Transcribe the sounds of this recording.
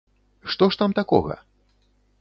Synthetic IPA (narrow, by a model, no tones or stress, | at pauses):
ʂt̪ɔʂt̪amt̪akɔ̰ɣɐ̰